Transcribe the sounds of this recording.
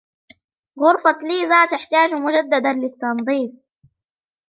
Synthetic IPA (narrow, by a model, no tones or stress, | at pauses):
ɣʊɾfɑliːzaːt̪ɪħt̪aːd͡ʒmʊd͡ʒad̪ːad̪anlɪt̪ːɑnd̪ˤiːb̚